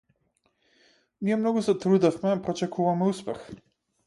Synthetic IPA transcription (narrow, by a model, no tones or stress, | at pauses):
mijɛmnɔɡuzat̪ɾud̪afmɛpɾɔt͡ʃɛkuvamɛuspɛ̰x